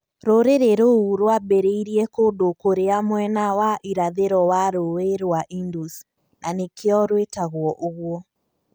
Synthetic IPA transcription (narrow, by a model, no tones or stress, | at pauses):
ɾoɾeɾeɾouɾwabeɾeiɾiɛkodokoɾeamwɛnawaʔiɾaðeɾɔwaɾoeɾwaʔindus | nʔanekʰeɔɾwetaɣwɔʔoɣwɔ